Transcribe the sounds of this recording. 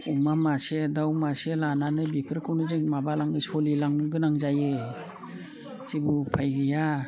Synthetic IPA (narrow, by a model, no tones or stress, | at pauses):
umamasedawmaselananɯbipʰɯɾkʰawnɯzeŋmabalaŋɯsɔlilaŋɡɯnaŋzajɯ | zibɯpʰajɡɯja